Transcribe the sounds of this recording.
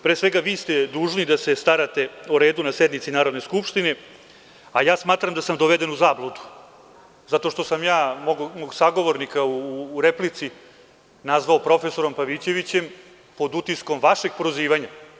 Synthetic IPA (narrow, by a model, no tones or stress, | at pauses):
pɾeːsʋeɡaʋiːst̪ed̪uːʒnid̪ase̞st̪aɾat̪e̞uɾe̞ːd̪unase̞d̪nit̪sinaːɾo̞d̪ne̞skupʂt̪ine̞ | ajaːsmaːt̪ɾamd̪asamd̪oʋed̪e̞nuzaːblˠod̪u̥ | zat̪o̞ʃt̪o̞samjaːmoɡmoɡsaɡo̞ʋo̞ɾnikauːɾeplit̪si | nazʋaopɾo̞feso̞ɾo̞mpaʋit͡ɕe̞ʋit͡ɕe̞m | po̞d̪ut̪isko̞mʋaʃe̞ɡ̥̚poɾoziːʋaɲa